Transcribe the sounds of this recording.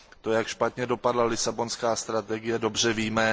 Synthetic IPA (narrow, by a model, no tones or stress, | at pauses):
t̪ojakʃpat̪ɲɛdo̞padlalɪsabo̞nskaːst̪ɾat̪ɛɡɪjɛdo̞br̝ɛviːmɛ